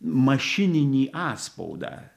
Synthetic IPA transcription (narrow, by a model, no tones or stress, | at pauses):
mɐʃʲɪnʲɪnʲiːʔɑːspɔ̰ʊd̪ɑ̰ː